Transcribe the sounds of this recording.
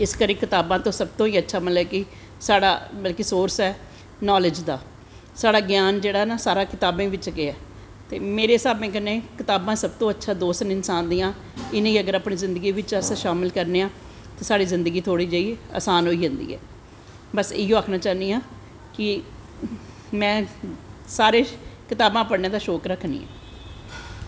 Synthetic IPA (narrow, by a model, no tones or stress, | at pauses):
ɪskəɾĩːkɪt̪aːbãːt̪õːsəb̚t̪õːiːətːʃʰaːməlɛːkɪ | saːɽa̰ːbəlkiːsoːɾsɛː | nɔːlɪd͡ʒd̪aː | saːɽaːɡjaːnd͡ʒeːɽaːɦɛnaːsaːɾaːkɪt̪aːbẽːʋɪt͡ʃɡɪɛː | t̪ḛːmeːɾeːsaːbẽːk̬ənːẽːkɪt̪aːbãːsəb̚t̪õːətːʃʰaːd̪oːsnɪnsãːnd̪iːãː | ɪnẽiːəɡəɾaːpɳiːzɪ̃nd̪əɡiːʋɪt͡ʃəsʃaːmɪlkəɾneːãː | t̪eːsaːɽiːzɪ̃nd̪əɡiːt̪ʰoːɽiːd͡ʒəːiːa̰ːsaːnɦoːiːd͡ʒənd̪ḭːɛ̰ː | bəsɪjõːakʰnaːt͡ʃaːniːãː | kɪ | mɛ̃ː | saːɾeːkɪt̪aːbãːpəɽneːd̪aːʃoːkɾəkʰnḭːã̰ː